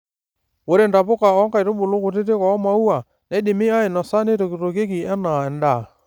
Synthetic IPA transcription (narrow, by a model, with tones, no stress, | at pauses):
wo˦ɾe˦˨nda˨pʊ˦ka˨ɔ˦ŋka˨i˨ɾo˦bʊ˨lo˦kʊ˨t̬e˦te˦kɔ˨˦ma˦u˦a˨ | nɛ˦di˨mi˦a˦e˨nɔ˨sa˦ne˦to˨ki˨to˨ke˦ki˨ɛ˦na˨ɛ˨nda˨